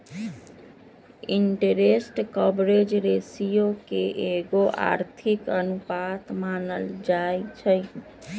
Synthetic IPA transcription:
iɳʈeɾesʈkəbɾed͡ʒɾesijokeʔeɡoʔa̰ɾt̪ʰikənupat̪manəld͡ʒajt͡ʃʰəj

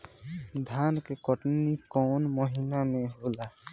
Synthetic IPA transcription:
d̪ʱankekɔʈnikɔnmɔɦinamẽɦola

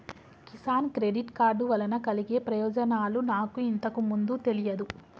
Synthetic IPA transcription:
kisaːnkɾeɖiʈkaːɾɖuʋɐlɐnɐkɐliɡe̞ːpɾɐjɔːd͡ʒɐnaːlunaːkuint̪ɐkumund̪ut̪e̞lijɐd̪u

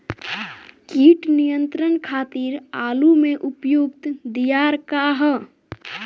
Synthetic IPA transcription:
kiʈnijənt̪ɾənkʰaːt̪iɾaːlumeʔupjuɡ̚t̪d̪ijaɾkaɦə

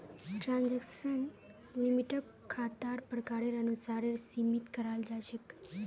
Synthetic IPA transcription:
ʈɾãnd͡ʒekʃən | limiʈəb̚ | kʰat̪aɾpɾəkaɾeɾənusaɾeɾsimit̪kəɾald͡ʒajʃek

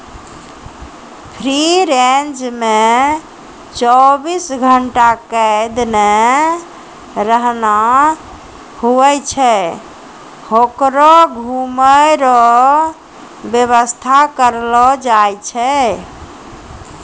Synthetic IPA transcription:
pʰɾiɾend͡ʒme | t͡ʃɔbisɡʱəɳʈakəed̪ne | ɾəɦna | huɛt͡ʃʰɛ | hokɾɔɡʱuməɾɔ | bjeβəst̪ʰakəɾlɔd͡ʒajt͡ʃʰɛ

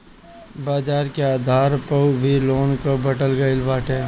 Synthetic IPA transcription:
baːd͡ʒaːɾkeaːd̪ʱaːɾpəubʱiloːnkobəʈəlɡəɪlbaːʈʰeː

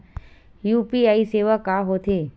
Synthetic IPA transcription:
juːpiaːiseːʋəkaːɦoːt̪ʰeː

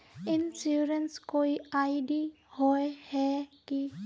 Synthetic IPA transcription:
ɪnsjuːɾənskoːiaːɪɖi | hoehɛki

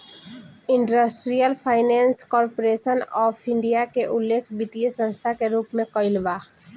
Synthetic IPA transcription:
ɪ̃ɳɖəsʈɾijəlpʰaːɪnɛ̃ːnskɔːɾpoɾeːʃənɔːfʰɪ̃ɳɖijakeʔʊlːeːkʰbɪt̪iesə̃nst̪ʰakeɾuːpmẽkəɪlʋaː

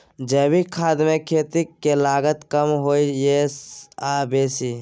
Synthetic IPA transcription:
d͡ʒeːbikʰaːd̪mẽkʰeːt̪ikːelaːɡət̪kəmɦoːijesabeːsi

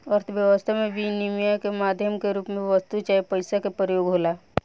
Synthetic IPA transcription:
əɾt̪ʰəbjəʋəst̪ʰamẽbinimijakemaːd̪ʱjəmkeɾuːpmẽʋəst̪ut͡ʃaːepəɪsakepɾəjoːɡɦoːla

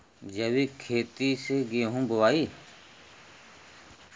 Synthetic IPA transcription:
d͡ʒəʋiːkʰeːt̪iːseːɡeːɦũːbʊʋaːiː

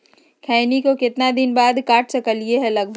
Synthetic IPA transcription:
kʰɛːnikokɪt̪nad̪ɪnbaːd̪kaːʈʰsɐkəlieɦɛlɐɡ̚bʱ

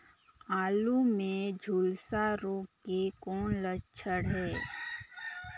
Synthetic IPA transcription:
aːlumẽd͡ʒʱuːlsaɾoːkekɔːnlət͡ʃʰəɽɦɛː

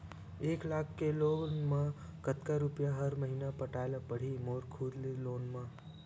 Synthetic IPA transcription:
eklakʰkelonmã | kət̪kaɾupjaɦəɾməɦinapəʈaelapəɽ̤imoɾkʰud̪liloːnmã

